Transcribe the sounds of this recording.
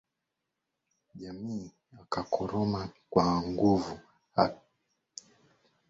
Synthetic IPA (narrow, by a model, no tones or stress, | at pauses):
ʄamiː | akakʰɔɾɔmakwaŋɡuvu | ha